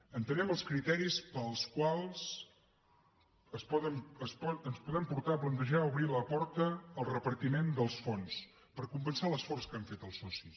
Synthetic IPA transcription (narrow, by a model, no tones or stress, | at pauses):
ənt̪ənɛməlˠskɾit̪ɛɾispəlˠskwalˠz | əspɔðəməspənspuðəmpuɾt̪aəplənt̪əʒauβɾiləpɔɾt̪əːlˠrəpəɾt̪imend̪əlˠsfons | pəɾkumpənsaləsfɔrskaɱfet̪əlˠsɔsi